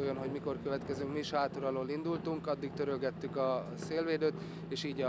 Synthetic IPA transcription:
ojonɦo̞ɟmiko̞rkøvɛt̪kɛzyŋkmiʃhaːt̪oɾɒloːlind̪ult̪uŋkɒd̪ːikt̪øɾølɡɛt̪ːykɒ | seːlveːd̪øːt̪ | eːʃiːɟɒ

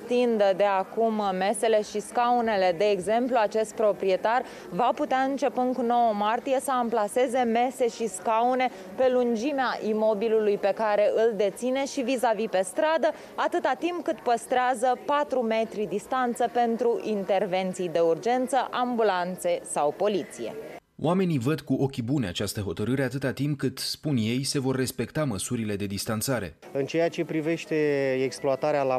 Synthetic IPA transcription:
t̪ind̪əd̪e̞akumːe̞se̞le̞ʃiskaune̞le̞d̪e̞ːɡze̞mpluat͡ʃe̞st̪̚pɾo̞pɾie̞t̪ar | vaput̪eaɨnt͡ʃe̞pɨnkuno̞wəmart̪ijesəamplase̞ze̞me̞se̞ʃiskaune̞ | pe̞lund͡ʒimeaʔimo̞bilulujpe̞kaɾe̞ʔɨld̪e̞t̪sine̞ʃivizavipe̞st̪ɾad̪ə | at̪ɨt̪at̪impkɨt̪pəst̪ɾeazəpat̪ɾume̞t̪ɾid̪ist̪ant̪səpe̞nt̪ɾuʔint̪e̞rve̞nt̪sijd̪e̞urd͡ʒe̞nt̪səʔambulant̪se̞sawpo̞lit̪sije̞̰ | wame̞nivəd̪kuʔo̞kʲibune̞at͡ʃast̪əɦo̞t̪əɾɨɾe̞at̪ɨt̪at̪imp̚kɨt̪spunje̞jse̞vo̞rːe̞spe̞kt̪aməsuɾile̞d̪e̞d̪ist̪ant̪saɾe̞̰ | ɨnt͡ʃeat͡ʃe̞pɾive̞ʃt̪e̞eksploat̪aɾeala

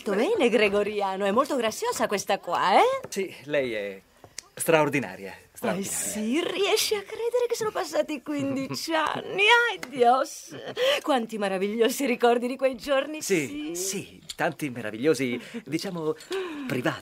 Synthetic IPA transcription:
t̪obɛːneɡɾeɡoɾjaːnoɛmːolt̪oɡɾat̪sːjoːzakwest̪akwa̰ɛsilɛjɛ | st̪ɾaord̪ina̰ːɾja̰st̪siriɛʃːeakːɾɛːd̪eɾekesːoːnopasːaːt̪ikwind̪it͡ʃia̰nːiajd̪jɔskwant̪imeɾaviʎːoːziɾikɔrd̪id̪ikwejd͡ʒornisiisi | t̪ant̪imeɾa̰viʎːoːzid̪it͡ʃaːmopɾivaː

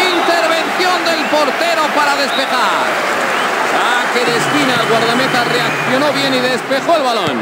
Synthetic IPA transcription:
int̪eɾβe̞nθjo̞nd̪e̞lpo̞ɾt̪e̞ɾo̞paɾaðe̞spe̞xa | ɾ | sa | keɾest̪inalɣwaɾðamet̪are̞ak̚θjo̞no̞βje̞niðe̞spe̞xo̞elβalo̞̰n

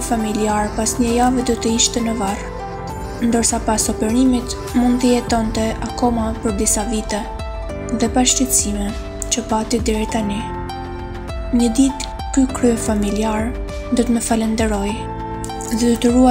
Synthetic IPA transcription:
familiaɾpasɲəjavɛd̪ɔt̪əiʃt̪ɛnəvar | nd̪əɾsapasɔpɛɾimit̪ | mund̪t̪əjɛt̪ɔnt̪ɛakɔmapəɾd̪isavit̪ɛ | ðɛpaʃt̪ɛt̪simɛ | t͡ʃəpat̪id̪ɛɾit̪ani | ɲəd̪it̪ | kykɾyɛfamiliaɾ | d̪ɔt̪əməfalɛnd̪ɛɾɔj | ðɛd̪ɔt̪əɾua

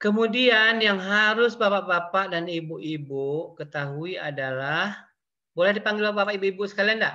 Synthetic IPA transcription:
kəmudianjaŋɦaɾʊsbapaʔbapaʔdanibʊʔibʊʔkət̪aɦuia̰dalah | bolɛhdipaŋɡɪlbabapaʔibuʔibʊʔsəkalianda

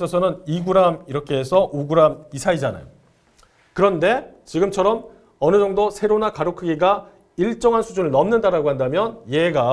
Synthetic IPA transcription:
sʰʌsʰʌnɯniɡuɾamiɾʌkʰe̞esʰʌʔuɡuɾamisʰaid͡ʑana̰jo | kɯɾʌnde̞t͡ɕiɡɯmt͡ɕʰʌɾʌm | ʌnɯd͡ʑʌŋdosʰe̞ɾonakaɾokʰɯɡiɡa | iɭt͡ɕ͈ʌŋɦansʰud͡ʑunɯɭnʌmnɯndaɾaɡohandamjʌnjeɡa

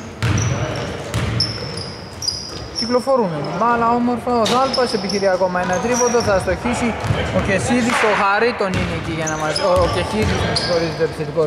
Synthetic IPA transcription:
ciklo̞fo̞ɾunemalɐomoɾfɐoθɐlpɐsepiçiɾiɐko̞mɐenɐt̪ɾipot̪oθɐst̪oçisiokesiðist̪oxɐɾit̪onineciʝɐnɐmɐsocesiðisnɐsfoɾizet̪epsit̪iko

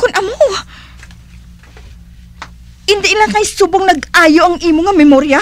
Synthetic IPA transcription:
kʊnʔɐmo | ʔɪnd̪ɪʔlakɐjsuːboŋnɐɡʔaːjoʔɐŋʔiːmoŋɐmɛmoɾja

